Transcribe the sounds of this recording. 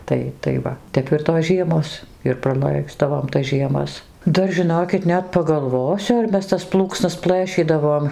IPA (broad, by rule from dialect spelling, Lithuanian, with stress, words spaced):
ˈtɐɪ tɐɪ ˈʋɐ ˈtʲɛp ɪr toːs ˈʒʲiɛmoːs ɪr prɐˈlˠɐɪzdɐʋoːm tɐs ʒʲiɛˈmɐs ˈdɐr ʒʲɪˈnoːkʲɪt ˈnʲɛt pɐɡɐlˠˈʋoːsʲʊ ɐr ˈmʲɛs tɐs ˈplˠuːksnɐs ˈplˠɘʃʲiːdɐʋoːm